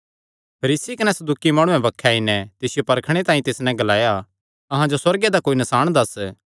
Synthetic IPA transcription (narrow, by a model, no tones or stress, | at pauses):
pʰɐɾiːsikɐnɛsɐd̪uːkimaːɽ̃ũɛ̃bɐkʰːaːinɛt̪ɪsɪjopɐɾkʰɽ̃et̪aːĩt̪ɪsnɛ̃ɡɐlaːja | ɐɦãd͡ʒoswɐɾɡed̪akoːinɐsaːɽ̃d̪ɐs